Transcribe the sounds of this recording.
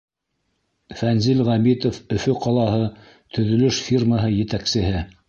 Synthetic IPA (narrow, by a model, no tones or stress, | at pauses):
fænzilʁæmit̪ofɵ̆fɵqɑlˠɑɦɤ | t̪ʰɵ̆ðɵ̆lɵʃfʲirməɦɤjɘ̆t̪æksɘ̆ɦɘ